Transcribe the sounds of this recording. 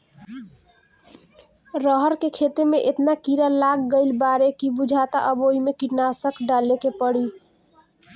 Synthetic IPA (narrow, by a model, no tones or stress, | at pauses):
ɾəɦəɾkekʰet̪emeʔet̪nakiɾalaɡɡəɪlbaɾekibud͡ʒʱat̪a̰ʔəboimekiʈnasəkɖalekepəɽi